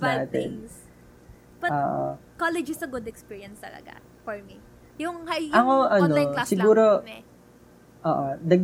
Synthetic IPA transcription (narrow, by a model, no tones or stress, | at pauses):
naːt̪ɛ̰n | pɐoːʔo̰kolɛd͡ʒɪsɐɡʊd̪ɛkspiɹiɐnst̪ɐ̰lɐ̰ɡa̰ | fɔɹmi | jʊŋhɐjɐkoʔɐnosɪɡuːɾo̞ | ʔoːʔod̪ɐɡ̚